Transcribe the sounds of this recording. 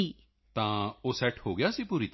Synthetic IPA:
iː | t̪ãoːsɛːʈhoːɡɪjasipuːɾit̪

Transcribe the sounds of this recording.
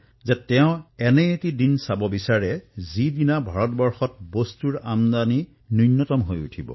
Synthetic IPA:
zɛtɛʊ̃ɛnɛetidinsabɔbisaɹɛzidinabʱaɹɔtbɔɹxɔtbostuɹamd̪ani | nujnːɔtɔmɦojṵtʰibɔ̰

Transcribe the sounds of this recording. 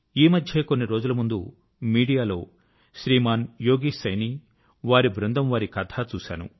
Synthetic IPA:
iːmɐd̪ʱjeːkonːiɾo̞ːd͡ʒulɐmund̪u | miːɽijaːlo̞ː | ʃɾiːmaːnjo̞ːɡisɐjniː | ʋaːɾibɾɐnd̪ɐmʋaːɾikɐt̪ʰat͡ʃuːʃa̰ːnṵ

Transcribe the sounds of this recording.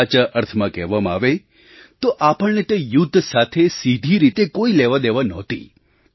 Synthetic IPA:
t͡ʃəʔəɾt̪ʰəmãkɛʋamaa̰ʋe | t̪oʔapəɭnet̪ejud̪ʱːsat̪ʰesid̪ʱiɾit̪ekoilɛʋad̪eʋanɔt̪ḭ

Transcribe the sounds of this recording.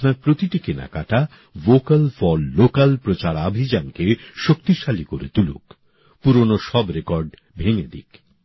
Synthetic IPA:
naɾpɾot̪iʈikena̰kaʈa | vokalfɔlːokalpɾot͡ɕaɾabʱid͡ʑankeʃokt̪iʃalikoɾḛt̪ulṵk | puɾonoʃɔbɾekɔɾɖ | bʱeŋed̪ḭk

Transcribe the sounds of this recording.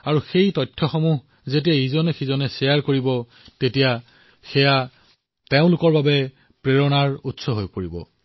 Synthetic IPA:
aɹuxejtɔtʰːɔxɔmuɦ | zetijaizɔnɛxizɔnɛsɛjaɹkoɹibɔ | tetija | xɛja | teʊ̃lʊkɔɹbabɛ | pɹeɹɔnaɹutsɔɦojpoɹibɔ̰

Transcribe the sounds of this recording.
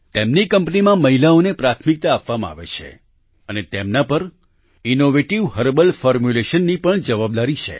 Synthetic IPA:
t̪emnikəmpnimãməɦilaonepɾat̪ʰmik̚t̪aːpʋamãa̰ʋḛt͡ʃʰḛ | ənet̪emnapəɾ | inoʋeʈiʋhəɾbəlfɔɾmjuleʃənːipəɳd͡ʒəʋab̚d̪aɾit͡ʃʰḛ

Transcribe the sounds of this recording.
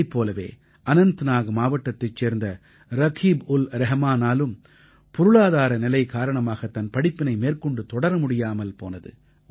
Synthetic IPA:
ɪpːoːlɐʋḛː | ʔɐnɐnt̪ɯnaːɣɐmaːʋɐʈːɐt̪ːɐt͡ʃːeːɾnd̪ɐ | ɾɐɣʰiːbʊlɾɛɦɐmaːnaːlɯm | pɔɾɯɭaːðaːɾɐnɪlɐɪkaːɾɐɳɐmaːɣɐt̪ːɐnpɐɽɪpːɪnɐɪmeːrkɔɳɖɯt̪ɔɽɐɾɐmʊɽɪjaːmɐlpoːnɐðɯ̰

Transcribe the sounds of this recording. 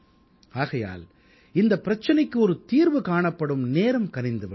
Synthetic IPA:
aːɣɐja̰ːl | ɪnd̪ɐpːɪɾɐt͡ʃːɐnɐɪkːɯɔɾɯt̪iːɾʋɯkaːɳɐpːɐɽɯmneːɾɐmkɐnɪnd̪ɯʋɐ

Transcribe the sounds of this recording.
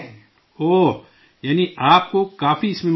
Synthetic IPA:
oː | jaːniʔaːp̚kokaːfiɪsmẽm

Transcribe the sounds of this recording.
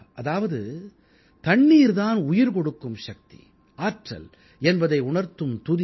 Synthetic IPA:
ʔɐðaːʋɐðɯ | t̪ɐɳːiːɾðaːnʊjɪɾkɔɽɯkːɯmʃɐk̚t̪i̥̰ | aːʈrɐ̰l | ɛnbɐðɐɪʊɳɐɾt̪ːɯmt̪ʊðɪ

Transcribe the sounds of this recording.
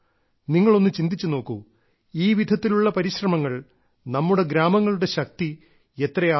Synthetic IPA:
niŋːɐɭo̞nːɨt͡ɕind̪it͡ɕːuno̞ːkːṵ | iːʋid̪ʱɐt̪ːiluɭːɐpɐɾiɕrɐmɐŋːɐɭ | nɐmːuɽe̞ɡɾaːmɐŋːɐɭuɽe̞ɕɐk̚t̪i | e̞t̪rɐjaː

